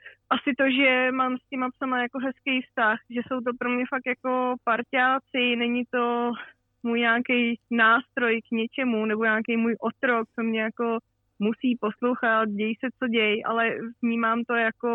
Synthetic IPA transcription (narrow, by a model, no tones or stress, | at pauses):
ʔasɪt̪o̞ʒɛmaːmscɛmapsamajako̞ɦɛskejfst̪axʒɛso̞wt̪̬o̞pɾomɲɛfak̚t̪jako̞paɾcaːt͡sɪnɛɲɪt̪o̞ | muːjɲaːkɛjnaːst̪ɾo̞jkɲɛt͡ʃɛmunɛboɲaːkejmuːjʔo̞t̪ɾok̚t͡so̞mɲɛjako̞ | musiːpo̞slo̞wxat̪̚ɟɛjɪsɛt͡so̞ɟɛjʔa̰lɛvɲiːmaːmt̪o̞jako